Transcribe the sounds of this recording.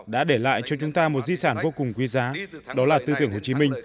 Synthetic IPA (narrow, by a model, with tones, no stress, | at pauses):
ɗa̰ː˧˥ɗe˧˩la̰ː˧˨jt͡ɕɔ˧t͡ɕʊ˨˦ŋ͡mt̪aː˧mo˨˩t̚zi˧saː˧˩nvo˧kʊ˨˩ŋ͡mkwi˨˦zaː˨˦ɗɔ˨˦laː˨˩t̪ɨ˧t̪i˨˧˩əŋho˨˩t͡ɕi˨˦mï˧ŋ̟